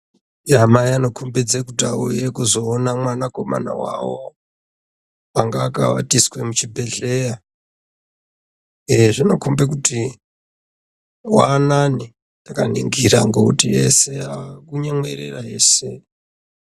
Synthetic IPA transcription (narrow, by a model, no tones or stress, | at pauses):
amaiano̞kʰombed͡zekutaojekuzo̞ːnamwanako̞ma̰na̰wa̰wo | aŋɡaːka̰wa̰tiskwe̞mut͡ʃibʱe̞ɮeja | eʐino̞kombekuti | wanani | takanḭŋɡiɾaŋɡokutiḛse̞akuɲemweɾḛraɦe̞ːse